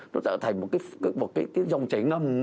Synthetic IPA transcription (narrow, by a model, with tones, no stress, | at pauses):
nɔ˨˦t͡ɕə̰ː˧˨˩t̪ʰa˨˩ŋ̟mo˨˩t̚kaː˨˦˨mo˨˩t̚kaː˨˦jt̪i˨˧˦nzə˧wŋ͡mt͡ɕi˧˩˦ŋə˧˩m